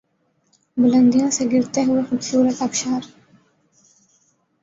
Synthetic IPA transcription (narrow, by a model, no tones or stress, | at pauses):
bʊlɐ̃nd̪ijõseɡɪɾt̪eɦʊexʊbsuːɾət̪ɐbʃaːɾ